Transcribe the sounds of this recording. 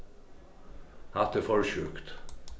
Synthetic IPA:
hɑt̪efɔɹʃʉːkt̪

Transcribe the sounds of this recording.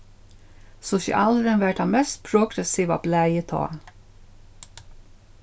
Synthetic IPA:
sʊsɪ̰ʔɑlɾənʋæʈ̚dɑmɛst̪̚pʰɾʊɡɾɛsiːʋɑ̰blæɪjət̪ʰɑ̰ː

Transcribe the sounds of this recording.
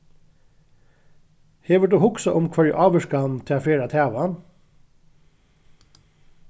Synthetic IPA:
heːʋəʈ̚d̪ʉːhʊksɑʔʊmkʰʋɑɹ̰ʔɑːʋəʃkɑnt̪ʰɛɑːfeːɾɑt̪ʰæːʋʊɑn

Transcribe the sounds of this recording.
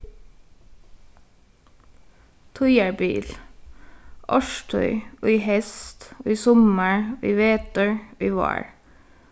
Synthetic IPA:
t̪ʰɔʏəɹbḭːl | ʔɔʃtʰœ̰ʏʔoːiːhɛst̪oːiːsɔməɹoːʔiːʋeːt̪əɹoːiːʋɑ̰ːɹ

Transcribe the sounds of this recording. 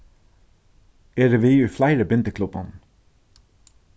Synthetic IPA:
eːɾəʋiːʉːflæɪɾəbʏnt̪əkʰlʉbɑn

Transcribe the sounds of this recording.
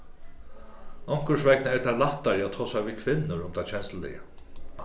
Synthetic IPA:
ɔŋ̥kʊʂvɛk̚nɛɾt̪ʰaɾlaht̪ːaɾɪat̪ʰɔːsaviːkʰvɪnːʊɾʊmt̪ʰat͡ɕʰɛnst̪əlɛ̰jə

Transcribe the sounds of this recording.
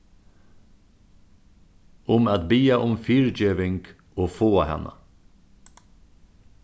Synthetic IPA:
ʊmɑːt̪̚biːaʔʊmfyːɹd͡ʒøːʋɪŋɡ̥ | oːfoːhɛ̰nʔɑ̰

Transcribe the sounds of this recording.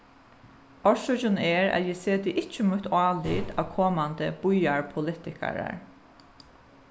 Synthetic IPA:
ɔɹsɔd͡ʒʊnɛːɹæ̰t̪jɛseːd̪ɪʔɪt͡ʃːəmut̪ʰɑːlḭːd̪aːʋkʰɔːmand̪əb̥ʊjaɹpʰʊlɪt̪ɪkʰa̰ɹa̰ɹ

